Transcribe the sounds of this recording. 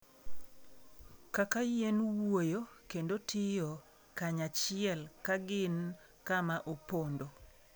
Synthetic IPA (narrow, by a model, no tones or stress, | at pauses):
kakajenwojokendotʰɪjo | kaɲat͡ʃɪɛlkaɡɪn | kamaʔopondo